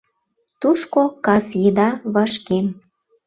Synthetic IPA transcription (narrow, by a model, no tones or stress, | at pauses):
t̪uʃkokɑsjed̪ɑβɑʃkem